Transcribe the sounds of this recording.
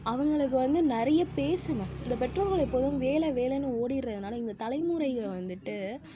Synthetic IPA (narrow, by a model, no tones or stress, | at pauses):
ɐʋɐŋɡɐɭɯk̬ːɯʋɐnd̪ɯnɪɾɐjɐpeːsɯŋɡɐɪnd̪ɐpɛʈroːlɣɐɭɛpːoːðɯmʋeːlɛʋeːlɛnːɯoːɽɪɾrɐðɯnaːlɐɪnd̪ɐt̪ɐlɐɪmʊɾɐɪɣɐʋɐnd̪ɯʈːɯ